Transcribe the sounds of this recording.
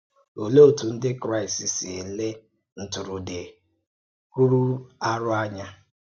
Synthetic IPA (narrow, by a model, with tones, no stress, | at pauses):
o˨lo˦o˨tu˨n̩˦dɪ˦kɾa˦˨ɪ˨si˨si˨e˨le˦ | n̩˨tʊ˨ɾʊ˨dɪ˨ | ku˦ɾu˦a˦ɾʊ˦a˦ɲa˦